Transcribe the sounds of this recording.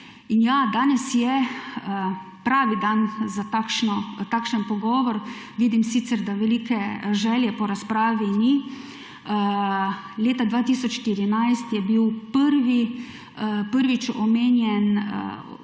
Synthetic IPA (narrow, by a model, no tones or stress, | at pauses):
injad̪aːnɛsjɛ | pɾaːʋid̪anzat̪akʃnɔt̪aːkʃənpɔɡɔːʋɔɾ | ʋiːd̪imsiːt̪sɛɾd̪aʋɛliːkɛʒɛːljɛpɔɾaspɾaːʋini | ə | leːt̪ad̪ʋaːt̪iːsɔt͡ʃʃt̪iɾinajst̪jɛbiwpəɾʋi | pəɾʋit͡ʃɔmeːnjɛn̰